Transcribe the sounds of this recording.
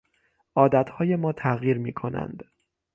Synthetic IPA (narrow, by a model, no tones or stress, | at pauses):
ʔɒːd̪æt̪hɒːje̞mɒːt̪ʰæɣjiːɾmiːkʰo̞næ̰nd̪